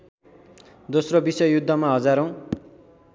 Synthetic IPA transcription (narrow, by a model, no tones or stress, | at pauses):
d̪osrobisʌjjud̪ʱːʌmaɦʌd͡zaɾʌw̃